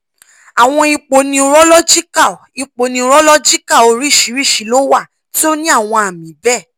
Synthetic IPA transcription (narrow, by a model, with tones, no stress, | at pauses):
a˨w̃ɔ̃˧i˧k͡po˨nĩ˧ɾɔ˦lɔ˦d͡ʒi˦ka˦˨i˧k͡po˨nĩ˧ɾɔ˦lɔ˦d͡ʒi˦ka˦˨o˧ɾi˦˨ʃi˨˦ɾi˦˨ʃi˨˦lo˦wa˦˨ | ti˦o˦nĩ˦a˦˨w̃ɔ̃˧a˨mĩ˨˦bɛ˦˨